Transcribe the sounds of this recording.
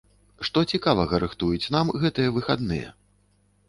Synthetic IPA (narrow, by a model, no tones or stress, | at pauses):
ʂt̪ɔt͡sʲikavɐɣɐɾɨxt̪ujut͡sʲnamɣɛt̪ɨjɛvɨxa̰d̪nɨ̰jɛ̰